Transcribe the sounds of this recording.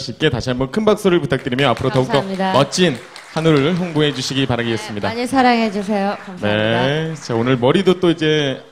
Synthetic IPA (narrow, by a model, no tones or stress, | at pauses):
ɕʰiip̚k͈e̞taɕʰiambʌnkʰɯnbak̚s͈oɾɯɭputʰak̚t͈ɯɾimjʌapʰɯɾotʌukt͈oidmʌt͡ɕ͈ʰin | hanuɾɯɾɯɭɦjoŋboɦe̞d͡ʑuɕʰiɡipaɾaɡies͈ɯmɲidaɲesʰaɾaŋɦed͡ʑus̬ʰe̞jokne̞t͡ɕaonɯɭmʌɾidot͈oid͡ʑe̞